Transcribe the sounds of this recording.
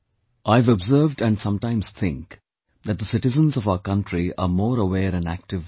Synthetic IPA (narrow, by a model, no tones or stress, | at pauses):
ʔaɪvəbzəːvɖæ̃nɖsʌ̃mʈãɪ̃mz̥t̪ʰɪ̰̃ŋk | ðæt̚d̪əsɪʈɨzə̃nzʌvaʊəkʌ̃nʈɾiə̰mɔːɾəwɛːɾɨ̃næ̰k̚ʈɪv